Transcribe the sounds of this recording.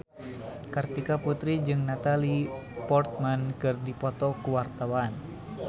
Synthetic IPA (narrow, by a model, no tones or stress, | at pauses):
kərt̪ikaput̪ɾid͡ʒɨŋnat̪alipɔrt̪̚mankɨrdipɔt̪ɔkuwart̪awan